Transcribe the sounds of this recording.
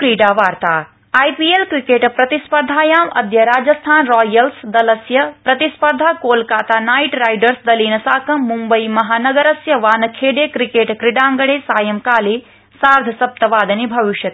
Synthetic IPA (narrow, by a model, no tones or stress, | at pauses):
kɾiːɖaːʋaːɾt̪aː | aːjpiːelkɾikeːʈpɾɐt̪ispɐɾd̪ʱaːjaːmɐ̰d̪jɐɾaːd͡ʒɐst̪ʰaːnɾɔːjɐlsd̪ɐlɐsjɐpɾɐt̪ispɐɾd̪ʱaːkoːlkaːt̪aːnaːjʈɾaːjɖɐɾsd̪ɐliːnɐsaːkʰɐmːumbɐjmɐɦaːnɐɡɐɾɐsjɐʋaːnɐkʰeːɖeːkɾikeːʈkɾiɖaːŋɡɐɽeːsaːjɐmkaːleː | saːɾd̪ʱɐsɐp̚t̪ɐʋaːd̪ɐnibʱɐʋiʃjɐt̪